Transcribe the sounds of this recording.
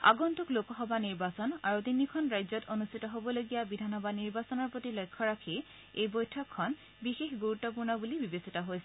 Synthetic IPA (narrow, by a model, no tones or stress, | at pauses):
a̰ɡɔntuklokɔɦɔbaniɹbasɔna̰ɹutinikʰɔnɹajzɔtʰonustʰitɔɦobɔloɡijabidʱanxɔbaniɹbasɔnɔɹpotilɔjkʰːɔɹakʰi | ejbojtʰɔkʰːɔn | bixexɡuɹutːɔp̬uɹnɔbulibibesitɔɦojsɛ